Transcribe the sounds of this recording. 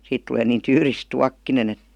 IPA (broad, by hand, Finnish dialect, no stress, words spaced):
siːt tuleː niːn tyːris tuɑkːinen et